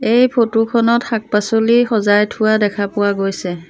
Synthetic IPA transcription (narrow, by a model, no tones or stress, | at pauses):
ejpʰotukʰɔnɔtxak̚pasolixɔzajtʰʊwadɛkʰapʊwaɡojsɛ